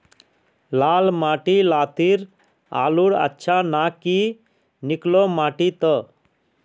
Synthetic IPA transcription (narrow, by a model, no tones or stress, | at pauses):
laːlmaːʈilaːt̪iɾ | a̰ːluɽə̰tːʃʰanaki | niklomaːʈit̪ə